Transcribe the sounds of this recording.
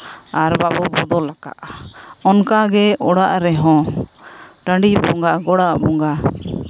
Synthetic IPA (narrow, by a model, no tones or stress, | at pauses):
aɾbabɔbɔd̪ɔlaka̰ʔ | ɔnkaɡɛʔɔɽaʔɾɛɦɔ̃ | ʈaɳɖibɔŋɡaʔɡɔɽaʔbɔŋɡa